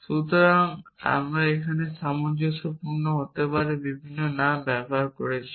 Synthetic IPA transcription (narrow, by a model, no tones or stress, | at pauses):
ʃut̪ɔɾaŋa̰mɾaekʰaneʃamɔnd͡ʒot̪opuɾnɔɦot̪epaɾebibʱinːɔnambɛbɔɦaɾkoɾet͡ʃʰi̥